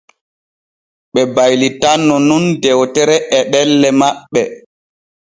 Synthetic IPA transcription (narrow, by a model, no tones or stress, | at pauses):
ɓɛbajlitanːɔnundɛwtɛɾɛʔɛɗɛlːɛmaɓːɛ